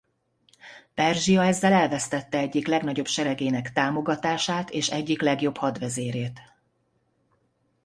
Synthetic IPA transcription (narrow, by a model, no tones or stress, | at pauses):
pɛrʒijɒɛzːɛlɛlvɛst̪ɛt̪ːɛɛɟːiklɛɡn̪ɒɟo̞bʃɛɾɛɡeːnɛkt̪aːmo̞ɡɒt̪aːʃaːt̪eːʃɛɟːiklɛɡjo̞phɒd̪ʋɛzeːɾeːt̪